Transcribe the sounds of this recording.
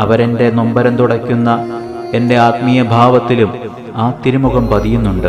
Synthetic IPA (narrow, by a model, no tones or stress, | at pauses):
ɐʋɐɾe̞nde̞nombɐɾɐnt̪uɽɐkʲːunːɐ | e̞nde̞aːt̪mijɐbʱaːʋɐt̪ːilum | aːt̪ːiɾumuɣɐmpɐd̪ijunːuɳɖɨ